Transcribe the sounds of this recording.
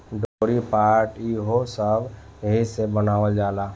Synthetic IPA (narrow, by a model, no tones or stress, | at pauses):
ɖoɾipaːɾʈiːɦosəbɦisebənaːʋəld͡ʒaːlaː